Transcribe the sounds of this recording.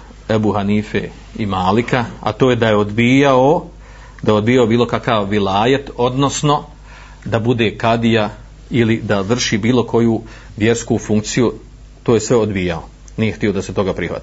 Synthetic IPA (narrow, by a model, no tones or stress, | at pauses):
ebuhaniːfḛ | imaːlikaa̰t̪oːje̞d̪ajeo̞d̪biːjao | d̪ajeo̞d̪bijaobiːlo̞kakaʋːilaːjet̪o̞d̪no̞sno̞ | d̪abud̪e̞ːkad̪ija | ilid̪aʋr̩ʃiːbiːlˠo̞kʰo̞ju | ʋje̞ɾskufuŋk̚t̪siju | t̪oːje̞sʋe̞o̞d̪biːjao̞ | nijext̪io̞d̪ase̞t̪o̞ɡapɾihʋa̰t̪i̥